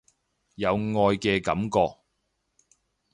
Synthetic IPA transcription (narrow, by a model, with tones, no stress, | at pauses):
jɐ˨˧wŋɔː˧jkɛː˧kɐ̰˨˥mkɔː˧k̚